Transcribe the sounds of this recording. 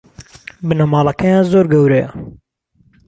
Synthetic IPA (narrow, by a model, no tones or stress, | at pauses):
bɨnɐmɑːlˠɐkajãːnzoːɾɡɐwɾɐjɐ̰